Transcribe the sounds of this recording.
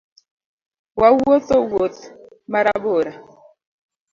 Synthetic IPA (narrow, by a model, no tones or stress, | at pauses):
wawotowot | maɾaboɾa